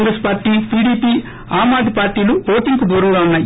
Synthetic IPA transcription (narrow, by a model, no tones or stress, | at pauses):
ŋɡɾespaːɾʈiːpiːɽiːpiː | aːmaːd̪ʱipaːɾʈiːluoːʈiŋkud̪uːɾɐŋɡaːunːaːji